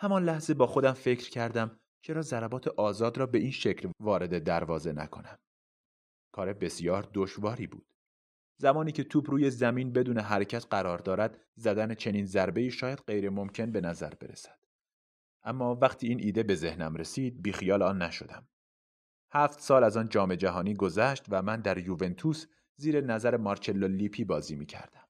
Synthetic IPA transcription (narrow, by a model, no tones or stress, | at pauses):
hæmɒnlæhze̞bɒːxo̞d̪æmfe̞cʰɾ̥cʰæɾd̪æm | t͡ʃʰe̞ɾɒːzæɾæbɒːt̪ʰeʔɒːzɒːd̪ɾɒːbe̞iːnʃecʰlvɒːɾe̞d̪e̞d̪æɾvɒːze̞næ̰kʰo̞̰næm | kʰɒːɾe̞be̞sjɒːɾd̪oʃvɒːɾiːbṵːd̪̥ | zæmɒːniːcʰe̞t̪ʰuːbɾuːje̞zæmiːnbe̞d̪uːneɦæɾecʰæt̪ɢæɾɒːɾd̪ɒːɾæd̪̥ | zæd̪ænet͡ʃʰe̞niːnzæɾbe̞iːʃɒːjæd̪̥ɢe̞jɾe̞mo̞mcʰe̞nbe̞næzæ̰ɾbe̞̰ɾḛsæ̥d̪̥ | ʔæmːɒːvæqt̪ʰiːiːnʔiːd̪e̞be̞ze̞hnæmɾe̞siːd̪̚biːxijɒːlɒːnːæʃo̞̰d̪æm | hæːft̪sɒːlæzɒːnd͡ʒɒːme̞d͡ʒæɦɒːniːɡo̞zæʃt̪væmænd̪æɾjuve̞nt̪ʰus | ziːɾenæzæɾemɒɾt͡ʃʰe̞lːoliːpʰiːbɒːziːmiːcʰæ̰ɾd̪æm